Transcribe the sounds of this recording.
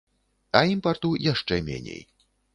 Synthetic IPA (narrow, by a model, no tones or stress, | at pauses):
ɐimpart̪ujaʂt͡ʂɛmʲḛnʲḛj